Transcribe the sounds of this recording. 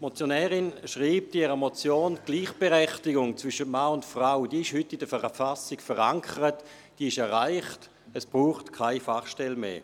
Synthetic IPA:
mot͡sjonɛːʁɪnʃʁiːp̚tiɛʁəmot͡sjoːnɡ̥liːχb̥eʁɛχtɪɡʊŋt͡svʏʃətmaːʊntfʁaʊd̥iːɪʃhʏtːidəfɛʁfasɪkfəʁaŋkʰəʁət | d̥iːɪʃɛɐʁaɪχt | əsb̥ʁuːχtkʰaɪfaχʃtɛlmḛː

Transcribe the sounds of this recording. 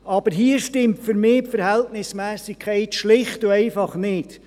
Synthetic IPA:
ʔɑb̥əɾɦiəʃtɪmtfʏɾmɪːpfəɾhɛltnɪsmɛːsikʰɛɪtʃlɪχtuɛɪfɑχnɪt

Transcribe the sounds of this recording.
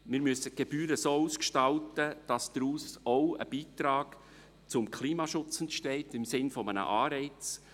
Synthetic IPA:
mɪːɾmyəsəɡ̥eb̥yːɾəsoːuːskʃtɑltəd̥ɑsd̥̪ɾuːsoʊə̰b̥iːt̪ɾɑːɡ | t͡sʊmkʰliːmɑːʃʊt͡sɛntʃtɛɪtɪmsɪnfɔmənə̰ʔɑːɾɛɪt͡s

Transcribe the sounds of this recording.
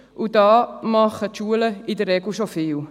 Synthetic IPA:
ʔudɑːmɑχətʃuələidərːeɡl̩ʃofɪːl

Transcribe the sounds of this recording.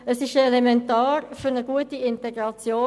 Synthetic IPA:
əsɪʃɛlemɛntɑːɾfyɾnəɡ̥uətiɪnteɡɾɑt͡sjoː

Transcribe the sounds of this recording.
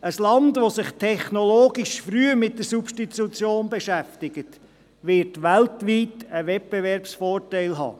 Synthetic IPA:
əslɑndʋosɪχtʰɛχnoloːɡiʃfɾyəmɪt̚dəɾsupʃtitut͡sjoːnbɛʃæftɪɡət | ʋɪɾtʋæltʋiːtəʋɛt̚b̥eʋɛɾpsfoːrtæɪlɦɑ̰ː

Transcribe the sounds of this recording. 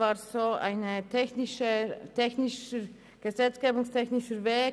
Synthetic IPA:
vaːzoːʔa̰ɪnətʰɛçnɪʃətʰɛçnɪʃə | ɡ̥əzɛt͡sɡ̥eːbʊŋstʰɛçnɪʃəveː

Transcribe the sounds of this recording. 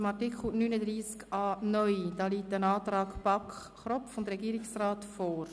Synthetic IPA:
mɑtikχl̩nyːnədɾiːskɑːnœʏd̥ɑːliːtənɑːt̪ɾɑːkbɑkχ | χɾɔfʊndɾɛɡiːɾɪksraːtfɔːɾ

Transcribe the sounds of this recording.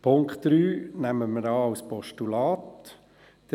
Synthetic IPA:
pʰʊŋkχtd̥ɾyːnæməməɾɑːawspɔʃtulɑːt̪ | d̥

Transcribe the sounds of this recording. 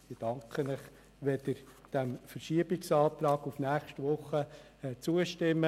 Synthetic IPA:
ɪd̥ɑŋkʰχənɪχ | ʋed̪əɾd̥ɛmfəɾʃiəbɪksɑːt̪ɾɑːɡufnæːχʃtʋʊχə | t͡suəʃtɪmːə

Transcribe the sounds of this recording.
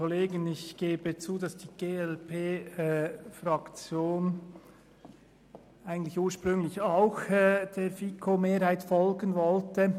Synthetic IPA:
ɔleːɡənɪçɡ̥eːbət͡suːdɑsd̥iːɡ̥eːɛlpʰeː | fɾɑkt͡sjoːn | æɪɡən̩t̪lɪçuːɐʃpʁʏŋlɪçɑʊxd̥eːɾfikʰomeːɾhaɪtfɔlɡənvɔltə

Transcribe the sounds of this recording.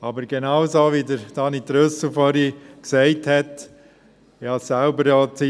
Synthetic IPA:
ɑbəɾɡ̥enɑwsoʋidəɾd̥ɑːnit̪ɾøsufɔɾiksɛɪthɛt̪ | jɑsælbəɾjɔt͡si

